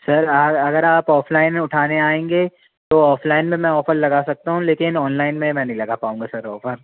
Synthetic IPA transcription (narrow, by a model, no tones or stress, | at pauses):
sɐɾɐɐɡəɾaːpɔːfʰlaːɪnʊʈʰaːneaːẽːŋɡeː | t̪oɔːflaːɪnmẽmɛ̃ɔːfəɾlɐɡasɐk̚t̪aɦũleːkɪnɔːnlaːɪnmẽmɛ̃ːnɐɦĩlɐɡapaːũːŋɡasɐɾɔːfəɾ